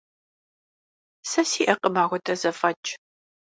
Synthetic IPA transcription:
sɐsiːʔɐqəmaːʁʷɔtʰɐzɐfɐt͡ʃʼ

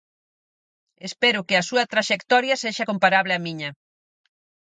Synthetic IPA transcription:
espɛɾʊkɪɐsuɐt̪ɾaʃekt̪ɔɾjɐseʃɐkompaɾaβlɪɐmiɲɐ

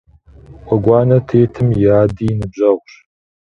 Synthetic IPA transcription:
ʔʷʼɔɡʷɑːnɐtʰeːtʰɨmjaːdiːnɨbʑɐʁʷɕ

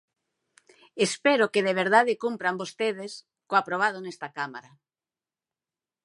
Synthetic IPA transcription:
espeɾokeð̞eβ̞eɾðaðekumpɾambost̪eð̞es | koapɾoβ̞að̞onest̪akama̰ɾa

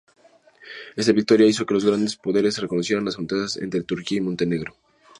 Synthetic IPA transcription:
e̞st̪aβik̚t̪o̞ɾjaiso̞kelo̞zɣɾand̪e̞spo̞ðe̞ɾe̞sreko̞no̞sje̞ɾanlasfont̪eðasḛnt̪ɾe̞t̪uɾkiaimont̪e̞ne̞ɣɾo

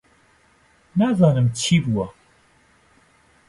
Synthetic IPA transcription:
naːzɑːnɨmt͡ʃʰiːbuwɐ

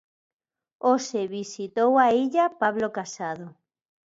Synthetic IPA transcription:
oseβisit̪owaiʎapaβlokasaðo

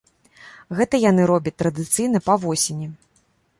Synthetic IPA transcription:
ɣɛt̪ɐjan̪ɨɾɔbʲɐt͡s̚ʲt̪ːɾɐd̪ɨt̪sɨjn̪ɐpɐvɔsʲenʲi

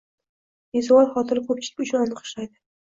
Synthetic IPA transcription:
ezɒwɒlˠχɒt̪ʰɪɾɪkʰop̚t͡ʃʰɪlɪkʲʊt͡ʃʰʊnɒnɨqʰo̥ʃlajd̪ɪ

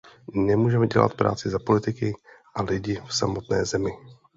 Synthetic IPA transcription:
nɛmuːʒɛmɛɟɛla̰t̪pɾa̰ːt͡sɪzapo̞lɪt̪ɪkɪ | ʔalɪɟɪfsamo̞t̪nɛ̰ːzɛmɪ

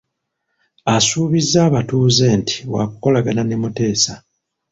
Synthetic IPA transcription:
asuːβizːaːβatuːze̞ːnti̥wa̰ku̥ko̞laɡananemute̞ːsa

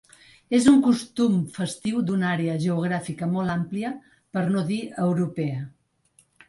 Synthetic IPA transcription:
ezuŋkust̪umfəst̪iwd̪unaɾeəʒəuɣ̞ɾafikəmɔlˠampliə | pəɾnoðiəwɾupeə

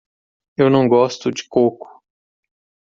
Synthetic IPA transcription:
ewnɐ̃w̃ɡɔst̪ʊd͡ʒɪkokʊ̥

